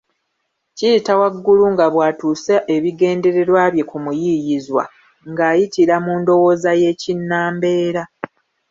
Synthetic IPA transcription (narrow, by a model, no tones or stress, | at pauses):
ciːtawaɡːuluŋɡaβwaːtuːsaʔeβiɡe̞ːnde̞ɾe̞ɾwaːβje̞kumujijizwa̰ | ŋɡaːjitiɾamuːndo̞wo̞ːzaje̞ːcinːaːmbe̞ːɾa